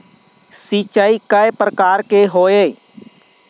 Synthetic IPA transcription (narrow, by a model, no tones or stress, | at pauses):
sit͡ʃəikəjpɾəkaːɾkeɦoːeː